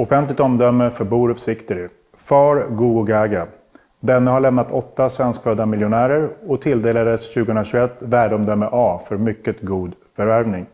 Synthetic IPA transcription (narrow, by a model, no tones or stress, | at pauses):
ɔfɛnt̪lɪɡt̪ɔmd̪œmːəfœɾbuːɾɵpsɪkt̪əɾ | fɑːɾɡuːɡʊɡaɡa | d̪ɛnːəhaɭɛmnat̪ʰɔt̪ːasvɛnskføːd̪amɪljʊnæːɾəɾɔt̪ʰɪld̪eːlad̪əsɕʉ̟ɡəhɵnɾaɕʉɛt̪ːvæːɖɔmd̪œmːəʔɑːfœɾmʏkːət̪ɡuːd̪fœɾvæɾvnɪŋ